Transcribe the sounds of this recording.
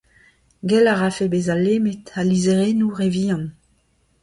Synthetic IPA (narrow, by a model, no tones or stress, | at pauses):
ɡɛlaʁafebezalːeːmetalizeʁeːnuʁeviːɑ̃n